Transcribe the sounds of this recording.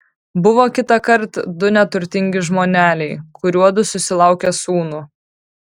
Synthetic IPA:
bʊʋoːkʲɪt̪ɐkɐɾt̪d̪ʊnʲɛt̪ʊɾʲt̪ʲɪŋʲɡʲɪʒmoːnʲæːlʲɛɪkʰʊɾʲuɔd̪ʊsʊsʲɪlˠɑˑʊkʲɛsuːnʊ

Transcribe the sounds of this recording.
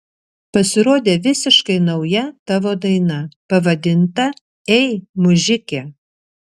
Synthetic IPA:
pɐsʲɪɾoːd̪ʲeːʋʲɪsʲɪʃkɐɪnɐʊjɛt̪ɑʋoːd̪ɐɪnɐpɐʋɐd̪ʲɪnt̪ɐ | ɛɪmʊʒʲɪkʲɛ

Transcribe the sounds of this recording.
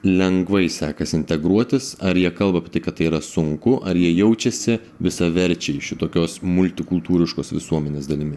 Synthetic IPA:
lʲɛŋɡʋɐɪsɑːkɐsɪnʲt̪ʲɛɡɾuɔt̪ʲɪsɐɾjiɛkɐlˠbɐːpʲɪɛt̪ɐɪkɐt̪tɐɪiɾɐsʊŋkʊʔɐɾjiɛjɛʊt͡ʃʲɛsʲɪ | ʋʲɪsɐʋʲɛɾʲt͡ʃʲɛɪʃʲɪt̪oːkʲoːsmʊlʲt̪ʲɪkʊlˠt̪uːɾʲɪʃkoːsʋʲɪ̰suɔmʲɛnʲeːsd̪ɐlʲɪmʲɪ

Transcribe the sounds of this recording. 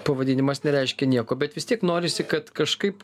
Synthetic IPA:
pɐʋɐd̪ʲɪnʲɪmɐsnʲɛɾʲɛɪʃʲkʲɛnʲiɛkoːbʲɛt̪ʋʲɪst̪ʲiɛknoːɾʲɪsʲɪkɐt̪kɐʃkɐɪp

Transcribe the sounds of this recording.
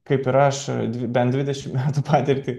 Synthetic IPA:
kɐɪpɪɾɐʃd̪ʲʋʲɪbʲɛnd̪ʲɪd̪ʲɛʃʲɪmmʲæːt̪upɑːt̪ʲɪɾʲkʲɪ

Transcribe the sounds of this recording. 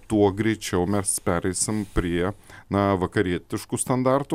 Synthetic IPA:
t̪uɔɡɾʲɛɪt͡ʃʲɛʊmʲɛspʲæːɾʲɛɪsʲɪmpʲɾʲiɛnɐʋɐkɐɾʲiɛt̪ʲɪʃkust̪ɐnd̪ɑrt̪ʊ

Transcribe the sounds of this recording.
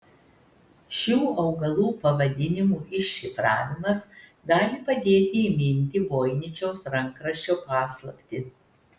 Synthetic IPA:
ʃʲuːʔɐʊɡɐlˠuːpɐʋɐd̪ʲɪnʲɪmuːʔɪʃːʲɪfɾɑ̰ːʋʲɪmɐs | ɡɑːlʲɪpɐd̪ʲeːt̪ʲɪimʲɪnʲt̪ʲɪʋoːɪnʲɪt͡ʃʲɛʊsɾɐŋˑkɾɐʃʲt͡ʃʲoːpɑːslˠɐpʲt̪ʲɪ

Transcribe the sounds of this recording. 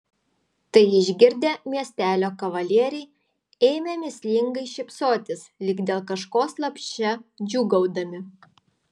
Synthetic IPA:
t̪ɐɪɪʒʲɡʲɪɾʲd̪ʲeːmʲiɛsʲt̪ʲæːlʲoːkɐʋɐlʲiɛɾʲɛɪ | eːmʲemʲɪsʲlʲɪŋɡɐɪʃʲɪpsoːt̪ʲɪslʲɪɡd̪ʲeːlˠkɐʃkoːslˠɐpʲʃʲt͡ʃʲɛd͡ʒʲuːɡɐʊd̪ɐmʲɪ

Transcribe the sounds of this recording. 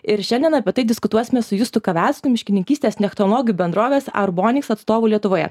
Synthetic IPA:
ɪɾʃʲɛnʲd̪ʲiɛnɐpʲiɛt̪ɐɪd̪ʲɪskʊt̪uɔsʲɪmʲɛsʊjʊst̪ʊkɐʋʲæˑlʲsʲkʲʊmʲɪʃʲkʲɪnʲɪŋʲkʲiːst̪ʲeːsnʲɛxt̪ɔlˠoːɡʲjuːbʲɛnd̪ɾoːʋʲeːsɐ̰ɾboːnʲɪksɐt̪st̪oːʋʊːlʲiɛt̪ʊʋoːjɛ̰

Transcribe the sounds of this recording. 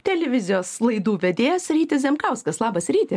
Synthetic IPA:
t̪ʲɛlʲɛʋʲɪzʲɪjoːslˠɐɪd̪uːʋʲɛd̪ʲeːjosɾʲiːt̪ʲɪszʲɛmkɐʊskɐslˠɑːbɐsɾʲiːt̪ʲɪ

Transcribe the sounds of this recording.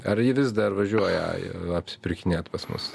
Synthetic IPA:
ɐɾjɪʋʲɪzd̪ɐrʋɐʒʲuɔjɛ̰ɐpʲsʲɪ̥pʲɪɾʲkʲɪnʲeːt̪pɐsmʊ̰s

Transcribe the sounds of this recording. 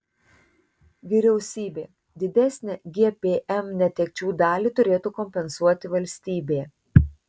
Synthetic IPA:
ʋʲiːɾʲɛʊsʲiːbʲeː | d̪ʲɪd̪ʲæsʲnʲɛɡʲeɛpʲeːʔɛmnʲɛt̪ʲɛk̚ʲt͡ʃʲuːd̪ɑːlʲiːt̪ʊɾʲeːt̪uːkɔmʲpʲɛnsuɔt̪ʲɪʋɐlʲsʲt̪ʲiːbʲeːjɛ

